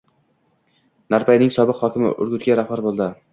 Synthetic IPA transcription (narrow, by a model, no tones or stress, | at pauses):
naɾpʰajnɪŋsɒbɪqhɒkʲɪmɪ̰ʔʊ̰ɾɡʲʊt̪ɡʲaɾahbaɾbolˠd̪ɪ